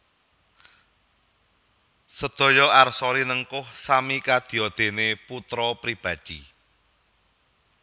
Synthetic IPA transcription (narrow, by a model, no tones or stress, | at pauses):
səd̪̥ɔ̤jɔarsɔɾinəŋkʊhsamikad̪̥i̤ɔd̪̥e̤neput̪ɾɔpɾib̥a̤̥d̪̥ḭ